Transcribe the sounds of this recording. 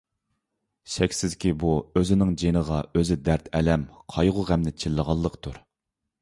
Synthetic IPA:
ʃɛkʲsɪzkʲibuøzɪnɪŋd͡ʒenəʁɑøzɪd̪æɾt̪ʰɛlɛmqʰɑjʁʊʁæmnɪt͡ʃʰilːəʁɑlˠːəqt̪ʰuɾ

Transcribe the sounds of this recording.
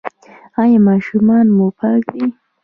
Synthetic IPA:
ɑjɑmɑʃumɑnmupʰɑkd̪i

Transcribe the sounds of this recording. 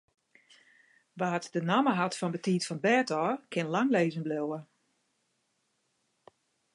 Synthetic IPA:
ʋaːtdənaməɦatfɔndətiːtfɔnbɛtɔːkʰɪnlaŋleːzənblewə

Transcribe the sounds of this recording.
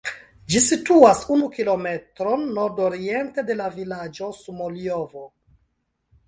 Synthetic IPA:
d͡ʒisituasunukilo̞me̞tɾo̞nːo̞ɾdoɾie̞nte̞de̞lavilad͡ʒo̞sumoliovo

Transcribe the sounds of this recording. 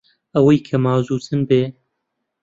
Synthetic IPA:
ɐwɐjkʰɐmaːzuːt͡sʰɨnbeː

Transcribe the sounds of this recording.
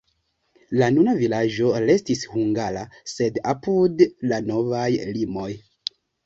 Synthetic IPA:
lanunavilad͡ʒo̞ɾe̞stishuŋɡala̰se̞dapudlano̞vajlimo̞j

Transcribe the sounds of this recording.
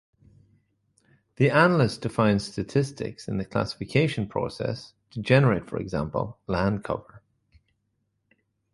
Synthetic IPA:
ðianəlɪsd̥ɪfãɪ̃n̥stətʰɪstɪ̰ksɪ̰̃nðəkʰl̥a̰sɪ̥fɪkʰeɪʃə̃npʰɹ̥o̰sɛ̰s | tʰəd͡ʒɛnəɹeɪtfə̰ɹɪ̰ɡzã̰mpə̰lˠlãnkʰʌ̰və˞

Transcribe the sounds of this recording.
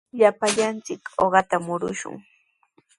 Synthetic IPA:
ʎapaʎant͡sɪkoɢɑt̪amʊɾʊ̰ʃʊ̰ŋ

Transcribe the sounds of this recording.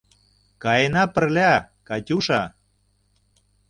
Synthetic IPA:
kɑjenɑpə̆rlʲæ | kɑtʲuʃɑ

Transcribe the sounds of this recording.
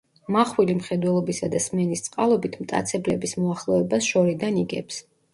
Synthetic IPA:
maχwilimχɛd̪wɛlˠɔbisad̪asmɛnist̪sʼqʼalˠɔbit̪ʰmt̪ʼa̰t̪sʰɛblɛbismɔaχlˠɔɛbasʃɔɾid̪aniɡɛ̰ps

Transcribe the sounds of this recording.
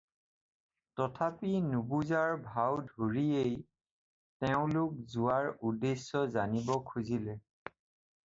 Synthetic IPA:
tɔtʰapinubuzaɹbʱawdʱoɹiej | tɛʊ̃lʊk̚zʊwaɹudesːɔzanibɔkʰuzilɛ

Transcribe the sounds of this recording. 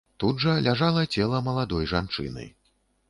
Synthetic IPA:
t̪ud̪ʐɐlʲaʐalˠɐt͡sʲɛlˠɐmɐlˠad̪ɔjʐa̰nt͡ʂɨ̰nɨ̰j

